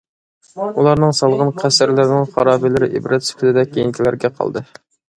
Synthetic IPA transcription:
ulˠɑɾnɨŋsɑlˠʁɑnqʰæsɪɾlɪɾnɪŋχɑɾɑːbɪlɪɾɪʔḭbɾʔɛt̪sy̥pʰɪd̪ɪd̪ɛkʲʰːejint̪ʰilæɾɡʲɛqʰɑ̰lˠd̪ɨ

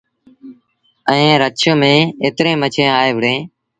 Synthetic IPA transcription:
əẽːɾət͡ʃʰəmẽːeːt̪ɾẽːmət͡ʃʰẽːaːeːʋəɽẽː

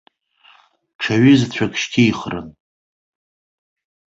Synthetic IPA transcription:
ʈ͡ʂʰaɥizt͡ɕʷʰakʃkʲʰiiχrɨn

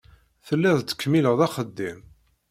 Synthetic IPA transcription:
θəlːiðˤt͡sːə̥kːmiləʁðæχəd̪ːim

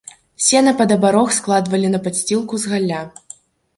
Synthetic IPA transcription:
sʲɛnɐpɐd̪ɐbaɾɔxsklˠad̪vɐlʲinɐpasʲt͡sʲilˠkuzɣalʲːa

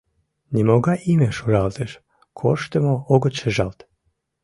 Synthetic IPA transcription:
nʲimoɡaʔimeʃuɾalˠt̪eʃ | kʰoʃt̪emooɡot͡ɕeʒalˠt̪

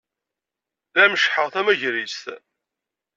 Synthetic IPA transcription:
ðæməʃħəʁθæmæʝɾist̪

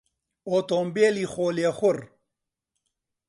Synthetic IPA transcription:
oːt̪oːmbeːlixoːlexʊɾ

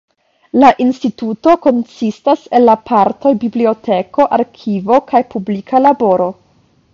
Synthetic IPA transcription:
laʔinstituto̞ko̞nsistase̞nːapʰaɾto̞jbiblio̞tʰe̞ko̞ʔaɾkʰivo̞kajpublikʰalabo̞ɾo̞

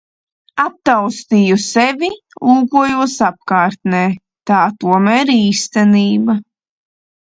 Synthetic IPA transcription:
ap̚t̪awst̪iːjusɛvʲi | luːkuɔjuɔsap̚kaːɾt̪nɛː | t̪aːt̪uɔmæːɾiːst̪æniːba

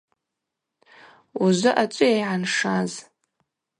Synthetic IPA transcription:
uzɨʔat͡ʃʷʼʊjajʕanʂaz

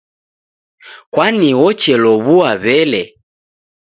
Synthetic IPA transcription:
kwaniwɔt͡ʃɛlɔβuaβɛlɛ

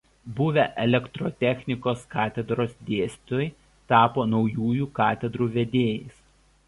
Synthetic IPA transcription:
bʊʋʲɛʔɛlʲɛkt̪ɾot̪ʲɛxʲnʲɪkoːskɑːt̪ʲɛd̪ɾoːsd̪ʲeːsʲt̪oːj | t̪ɑːpoːnɒʊjuːjuːkɑːt̪ʲɛd̪ɾuːʋʲɛd̪ʲeːjɛɪs

